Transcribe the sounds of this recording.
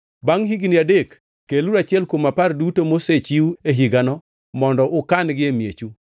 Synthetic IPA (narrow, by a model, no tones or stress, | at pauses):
baŋɦiɡiniadekː | eluɾat͡ʃɪɛlkomapardutomoset͡ʃiueɦiɡanɔ | mɔndɔʔʊkanɡɪemjet͡ʃu